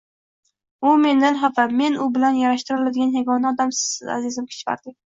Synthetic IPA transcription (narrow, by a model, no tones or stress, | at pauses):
ʊme̞nd̪anɦavame̞nʊbɪlanjaɾaʃt̪ɪɾɪlad̪ɪɡʲanjaɡʲɒnaːd̪amsɪzza̰zɪzɪmkʲʰɪ̥t͡ʃqa̰ɾd̪ɪ